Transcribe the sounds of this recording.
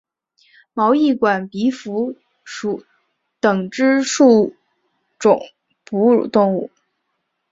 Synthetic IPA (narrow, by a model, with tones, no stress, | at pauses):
mɑ˧˥ʊi˥˩kwa˨˩npi˧˥fu˧˥ | ʂu˧˩ | t̪ɤ˨˩ŋʈ͡ʂɻ̩˥ʂu˥˩ | ʈ͡ʂʊ˨˩˦ŋ | pu˧˥ɻṵ˨˩t̪ʊ˥˧ŋu˥˩